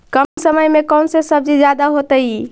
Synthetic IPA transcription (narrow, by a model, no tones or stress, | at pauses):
kəmsəməjmekɔwnsesəb̚d͡ʒid͡ʒjad̪aɦot̪əji